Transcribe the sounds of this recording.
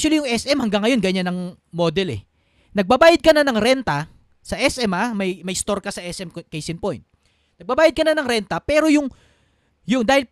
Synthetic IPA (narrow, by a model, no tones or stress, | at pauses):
ʃwɐlijʊŋʔɛsʔɛmhɐŋɡaŋːɐjo̞nɡɐɲanɐŋ | moːd̪ɛlɛ̰ | nɐɡ̚babaːjɐd̪̚kɐnɐnɐŋɾɛnt̪ɐ | sɐʔɛsɛmamɐjmɐjst̪o̞ɾkɐsɐʔɛsʔɛmkɛjsɪnpojnt̪̚ | nɐɡ̚bɐbaːjɐd̪̚kɐnɐnɐŋɾɛnt̪ɐpɛːɾo̞jʊŋ | jʊnd̪aːhɪl